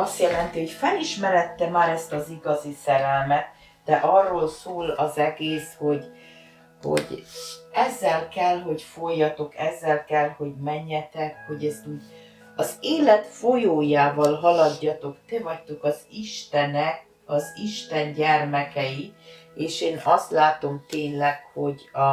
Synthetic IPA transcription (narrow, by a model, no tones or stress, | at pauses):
ɒst̪jɛlɛnt̪iɦo̞cfɛliʃmɛɾɛt̪ːɛmaːɾɛst̪ɒziɡɒzisɛɾɛlmɛt̪ | d̪̥ɛʔɒrːoːlsoːlɒzɛɡeːsho̞ɟ | ho̞̰ɟɛzːɛlkɛlɦo̞ɟfo̞jːɒt̪o̞kɛzːɛlkɛlho̞ɟmɛɲːɛt̪ɛkho̞ɟɛst̪uːɟ | ɒzeːlɛt̪fojoːjaːvɒlɦɒlɒdːɒt̪o̞kt̪evɒct̪o̞kɒziʃt̪ɛnɛk | ɒziʃt̪ɛɲɟɛrmɛkɛjieːʃeːnɒst̪laːt̪o̞mt̪eːɲlɛkho̞ɟɒ